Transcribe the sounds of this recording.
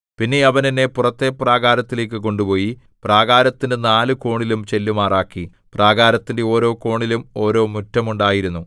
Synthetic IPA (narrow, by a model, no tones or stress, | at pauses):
pinːe̞ɐʋɐninːe̞purɐt̪ːe̞praːɡaːɾɐt̪ːile̞ːk̬ːɨko̞ɳɖupo̞ːji | praːɡaːɾɐt̪ːindenaːlɨko̞ːɳilumt͡ɕe̞lːumaːraːkːi | praːɡaːɾɐt̪ːinde̞o̞ːɾo̞ːko̞ːɳilumo̞ːɾo̞ːmutːɐmuɳɖaːjiɾunːu